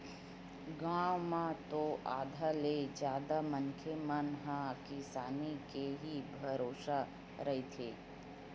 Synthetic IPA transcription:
ɡãːwmãt̪oʔa̰ːd̪ʱaled͡ʒjaːd̪amənkʰemənɦãkisaːnikeɦibʱɐɾoːʃa | ɾɐɦit̪ʰeː

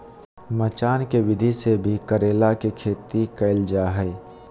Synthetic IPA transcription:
mət͡ʃaːnkeʋɪd̪ʱisebʱikəɾeːlakekʰeːt̪ikəɪld͡ʒaɦɛɪ

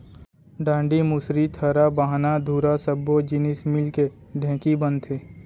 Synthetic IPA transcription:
ɖãːɳɖimʊsɾit̪ʰəɾabaɦnad̪ʱuːɾasəbːod͡ʒɪnɪsmɪlke | ɖʱɛ̃ːkibənt̪ʰeː

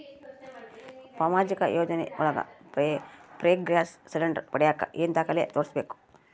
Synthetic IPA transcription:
pamaːd͡ʒikɐ̰joːd͡ʒɐneṵlɐɡɐ̰ | pɾeːɡɾaːsselɐɳɖɾpɐɽɛjakːɐ̰ʔent̪aːkɐlḛːt̪oːɾisɐbeːku̥

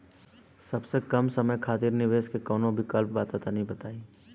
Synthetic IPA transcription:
sɐbsekɐmsɐməjkʰaːt̪iːɾnɪʋeːʃkekɔːnõbʱikəlp̚baːt̪at̪anɐɦĩbɐt̪aːi

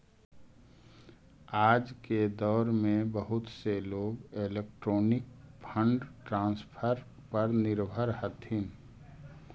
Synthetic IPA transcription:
aːd͡ʒked̪ɔːɾmẽbəɦʊt̪seloːɡelek̚ʈɾoːnɪk̚pʰə̃ɳɖʈɾãːnspʰəɾ | pəɾnɪɾbʱəɾhət̪ɦɪn

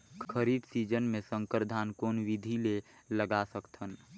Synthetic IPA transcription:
kʰəɾibsid͡ʒənmẽsə̃ŋkəɾd̪ʱaːnkoːnwid̪ʱileləɡasəkt̪ʰən

